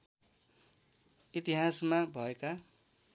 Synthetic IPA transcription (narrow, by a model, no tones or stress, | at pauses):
it̪iɦasmabʱʌeka